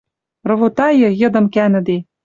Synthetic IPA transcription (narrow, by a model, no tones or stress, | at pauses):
rɤ̆βot̪ɑjɤ̆jɤ̆d̪ɤ̆mkænɘ̆d̪e